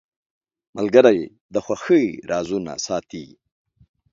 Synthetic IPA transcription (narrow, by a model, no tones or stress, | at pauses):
malɡəɾaje | d̪əxʷwaxəɾɑːzuna̰sɑːt̪i